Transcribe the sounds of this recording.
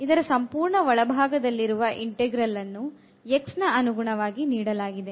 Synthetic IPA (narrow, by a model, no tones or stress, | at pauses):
id̪ɐɾɐsɐmpuːɾɳɐʋɐɭɐbʱaːɡɐd̪ɐlːiɾuʋɐʔiɳʈeɡɾɐlːɐnːu | eksnɐɐnuɡuɳɐʋaːɡiniːɽɐlaːɡid̪e̞